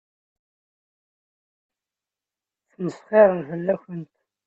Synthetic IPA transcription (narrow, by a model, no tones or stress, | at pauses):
θnəsχɪɾˤənvəlːæçənt̪